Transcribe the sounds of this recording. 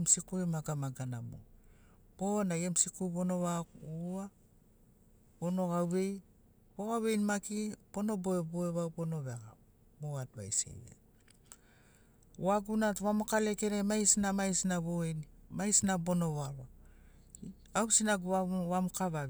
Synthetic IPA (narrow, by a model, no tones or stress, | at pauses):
emsikuemaɡamaɡanamo̰ | b̥onaemsikuβo̞no̞βaua | bono̞ɣawβe̞j | bo̞ɣawβe̞jnmakipo̞no̞boeboeβawpo̞no̞βeaɡa̰ | boat̚βa̰jsḛβḛ | oaɡunatβamokale̞ke̞ɾemajsnamajsnaβoenimajsnabo̞no̞βaβa | awsinaɡβaβamkaβaβ